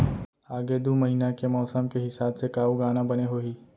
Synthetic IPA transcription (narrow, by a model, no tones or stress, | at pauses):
aːɡed̪umɐɦiːnakemɔːsəmkeɦɪsaːbsekaːuɡaːnabɐneɦoːiː